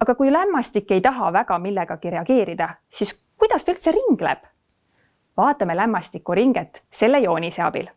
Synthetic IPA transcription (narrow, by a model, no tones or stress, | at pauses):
ɑɡ̥ɑkujlæmːɑst̪ikːe̞jt̪ɑɦɑvæɡ̥ɑmilːe̞ɡ̥ɑkiɾe̞ɑɡe̞ːɾid̪̥ɑ | sis | kujd̪̥ɑst̪eylt̪se̞ɾiŋɡ̥le̞̰b̥ | vɑːt̪ːˑɑme̞læmːɑst̪ikːˑuɾiŋɡ̥et̪ːˑse̞lːejo̞ːniseɑ̰b̥ḭl